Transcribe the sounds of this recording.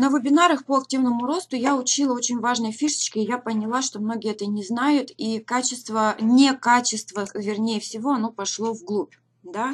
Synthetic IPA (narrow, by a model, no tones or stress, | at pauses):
nəvɨbʲɪnaɾəxpoɐk̚tʲivnəmʊɾo̞st̪ʊjaʊt͡ɕilˠəo̞t͡ɕɪnʲvaʐnəjəfʲiʂə̥t͡ɕkʲɪːjapənʲɪlˠaʂt̪o̞mno̞ɡʲɪjəɛt̪ənʲɪznajʊt̪ikat͡ɕɪst̪vənʲɪkat͡ɕɪst̪vəvʲɪrnʲejəfsʲɪvo̞ɐno̞pɐʂlˠo̞vɡlˠupʲ | d̪a